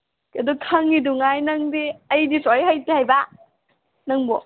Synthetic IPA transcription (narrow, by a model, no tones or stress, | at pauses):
kɐdɔkʰɐŋːiduŋajnɐŋdiɐjdisɔjɦajtehajba | nɐŋbɔ